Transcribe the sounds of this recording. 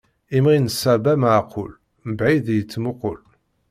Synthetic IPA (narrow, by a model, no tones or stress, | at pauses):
imʁinəsːæbæmaʕqʊl | məbʕiðjət͡sːmʊqʊl